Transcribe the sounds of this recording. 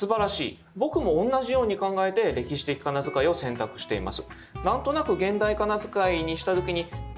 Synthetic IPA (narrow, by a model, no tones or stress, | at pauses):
sɨbaɾaɕḭː | bo̞kɯ̟mõ̞ːnːaʑijo̞ːɲ̟ikãŋɡae̞t̪e̞ɾe̞kʲiɕi̥t̪e̞kʲi̥kanazɨkaio̞sẽ̞nt̪akɯ̟̥ɕi̥t̪e̞ḭma̰sɨ̥ | nãnt̪o̞nakɯ̟ɡẽ̞nd̪aikanazɨkaiɲ̟iɕi̥t̪at̪okʲiɲ̟i